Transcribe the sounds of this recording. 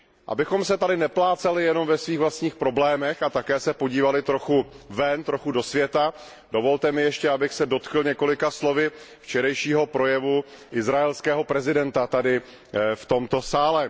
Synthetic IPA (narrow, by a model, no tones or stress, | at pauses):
ʔa̰bɪxo̞msɛt̪adɪnɛplaːt͡sɛlɪjɛno̞mvɛsviːɣvlast̪ɲiːxpɾo̞blɛːmɛxat̪akɛːsɛpoɟiːvalɪt̪ɾo̞xuvɛnt̪ɾo̞xudo̞svjɛt̪a | do̞vo̞lt̪ɛmɪjɛʃcɛabɪxsɛdo̞t̪kl̩ɲɛko̞lɪkaslo̞vɪ | ft͡ʃɛɾɛjʃiːɦo̞pɾo̞jɛvuʔɪzɾaɛlskɛːɦo̞pɾɛzɪdɛnt̪at̪adɪ | ft̪o̞mt̪o̞saːlɛ